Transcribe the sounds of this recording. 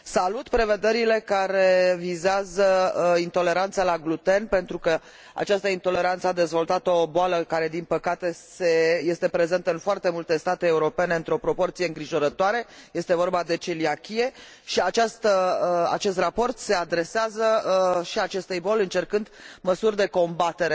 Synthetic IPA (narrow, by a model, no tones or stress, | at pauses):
salut̪pɾe̞ve̞d̪e̞ɾile̞kaɾe̞vizeazəint̪o̞le̞ɾant̪salaɡlut̪e̞npe̞nt̪ɾukə | a̰t͡ʃast̪əint̪o̞le̞ɾant̪səad̪e̞zvo̞lt̪at̪oboaləkaɾe̞d̪inpəkat̪e̞se̞je̞st̪e̞pɾeze̞nt̪əɨnfoart̪e̞mult̪e̞st̪at̪eːuɾo̞pe̞ne̞ɨnt̪ɾeo̞pɾo̞po̞rt̪sije̞ɨŋɡɾiʒo̞ɾət̪oaɾe̞je̞st̪e̞vo̞rbad̪e̞t͡ʃeliakʲie̞ | ʃiat͡ʃast̪əa̰t͡ʃe̞st̪rapo̞rt̪se̞ad̪ɾe̞seazəʃiat͡ʃe̞st̪ejbo̞lʲɨnt͡ʃe̞rkɨnd̪məsurʲd̪e̞ko̞mbat̪e̞ɾe